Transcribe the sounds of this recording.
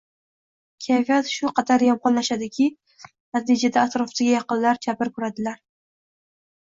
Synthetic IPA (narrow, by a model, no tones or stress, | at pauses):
kʲʰajfijat̪ʃʊqʰɑt̪ʰaɾjɒmqɒnlaʃad̪ɪkʲʰɪ | nat̪ʰid͡ʒad̪aːt̪ɾɒfsɪɡʲajɑqɨnlaɾt͡ʃʰapɪɾkʰʊɾad̪ɪlaɾ